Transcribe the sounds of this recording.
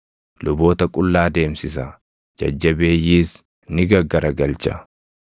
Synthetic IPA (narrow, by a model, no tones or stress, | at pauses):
lʊbo̞ːt̪ɐkʼʊlːaːd̪e̞ːmsɪsɐ | d͡ʒɐ̰d͡ʒːɐbe̞ːjːiːs | nɪɡɐɡːɐɾɐɡɐlt͡ʃʼɐ̰